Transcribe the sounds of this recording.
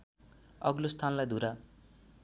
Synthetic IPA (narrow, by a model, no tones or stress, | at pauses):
ʌɡlost̪ʰanlajd̪ʱuɾa